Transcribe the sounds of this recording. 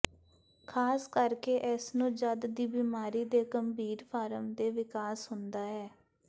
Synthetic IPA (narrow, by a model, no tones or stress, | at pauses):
kʰaːskəɾkeːʔɛsnũːd͡ʒəd̪d̪iːbiːmaːɾiːd̪eːɡəmbʱiːɾpʰaːɾəmd̪eːʋɪkaːsɦʊnd̪aːɦɛː